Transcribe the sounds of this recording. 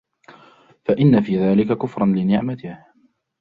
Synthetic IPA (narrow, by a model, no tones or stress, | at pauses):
faʔɪnːafiːðaːlɪkakʊfɾˤɑnlɪnɪʕmat̪ɪh